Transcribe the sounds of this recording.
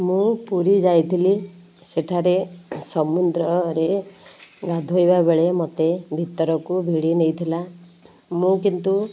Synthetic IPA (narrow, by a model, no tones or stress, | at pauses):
mũpuɾid͡ʒajt̪ʰili | seʈʰaɾesɔmund̪ɾɔɾe | ɡad̪ʱojbabeɭemɔt̪ebʱit̪ɔɾɔkubʱiɽinejt̪ʰila | mũkint̪u